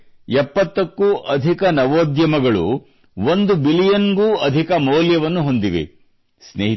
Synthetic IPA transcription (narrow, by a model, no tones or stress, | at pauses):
ɛpːɐt̪ːɐkːuʔɐd̪ʱikɐnɐʋoːd̪jɐmɐɡɐɭṵ | ʋond̪ubilijɐnɡuːɐd̪ʱikɐmɔwljɐʋɐnːuɦo̞nd̪iʋḛ | sneːɦi